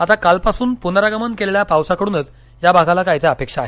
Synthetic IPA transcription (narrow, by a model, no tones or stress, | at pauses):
at̪akalpasuːnpunɾaɡəmənkelɭjapawsakəɽuːnət͡s | jabaɡʱalakajt͡sjaapekʂaːɦe